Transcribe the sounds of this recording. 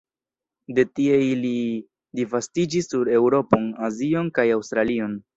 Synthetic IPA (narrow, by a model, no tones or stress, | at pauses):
de̞tie̞ili | divastid͡ʒisːuɾe̞wɾo̞po̞nazio̞nkajawstɾalio̞n